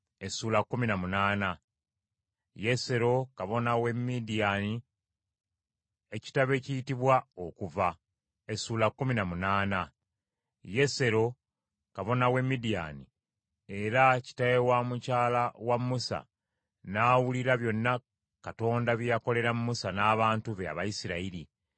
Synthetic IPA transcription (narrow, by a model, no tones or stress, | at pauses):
e̞suːlakːuminamunaːna | je̞se̞ɾo̞kaβo̞nawe̞mːidijani | e̞ci̥taβe̞cijitiβwao̞kuva | e̞suːlakːuminamunaːna | je̞se̞ɾo̞ | kaβo̞nawe̞mːidija̰nḭ | e̞ɾaci̥tajewamucaːlawamːusa̰ | naːwuliɾaβjo̞nːa | kato̞ːndaβjjako̞le̞ɾamumusanaːβaːntuβea̰βajisiɾaiɾi